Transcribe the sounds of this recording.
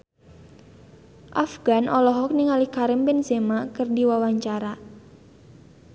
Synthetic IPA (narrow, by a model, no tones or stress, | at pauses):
ʔafɡ̥anʔɔlɔɦɔk̚niŋalikaɾəmpɪnsemakɨrdiwawaɲt͡ʃaɾa